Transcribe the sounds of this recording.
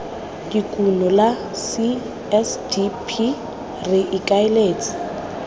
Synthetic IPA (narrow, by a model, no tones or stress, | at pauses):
dikʼunɔla | si | ɛsdipʰi | rɪʔɪkʼaɪleːt͡sʼɪ̥